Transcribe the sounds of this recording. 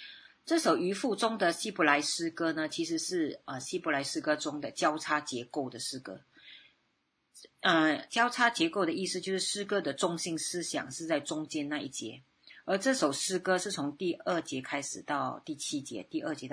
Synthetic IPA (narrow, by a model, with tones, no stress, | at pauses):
ʈ͡ʂɤ˥˩ʂo˨˩ʊy˧˥fu˥˩ʈ͡ʂʊ˥ŋd̪ə˨ɕi˥bɔ˧˥la˧˥ɪʂɻ̩˥kɤ˥nə˨t͡ɕʰi˧˥ʂɻ̩˧˥ʂɻ̩˥˩ə˩ɕi˥bɔ˧˥la˧˥ɪʂɻ̩˥kɤ˥ʈ͡ʂʊ˥ŋd̪ə˨t͡ɕjɑ˥ʊʈ͡ʂʰa˥t͡ɕjɛ˧˥ko˥˩ʊd̪ə˩ʂɻ̩˥kɤ̰˥ | ə˧t͡ɕjɑ˥ʊʈ͡ʂʰa˥t͡ɕjɛ˧˥ko˥˩ʊd̪ə˩i˥˧sɹ̩˥˧t͡ɕjo˥˧ʊʂɻ̩˥˩ʂɻ̩˥kɤ˥d̪ə˨ʈ͡ʂʊ˥ŋɕi˥˩ŋsɹ̩˥ɕjɑ̰˨˩ŋʂɻ̩˥˧t͡sa˥˩ɪʈ͡ʂʊ˥ŋt͡ɕjɛ˥nna˥˧i˥˩t͡ɕjɛ̰˧˥˦ | ə˞˧˥ʈ͡ʂɤ˥˩ʂo˨˩ʊʂɻ̩˥kɤ˥ʂɻ̩˥˩t͡sʰʊ˧˥ŋt̪i˥˧ə˥˩t͡ɕjɛ˧˥kʰa˥ɪʂɻ̩˨˩t̪ɑ˥˧ʊt̪i˥˩t͡ɕʰi˥t͡ɕjɛ̰˧˥t̪i˥˧ʔə˥˩t͡ɕjɛ˧˥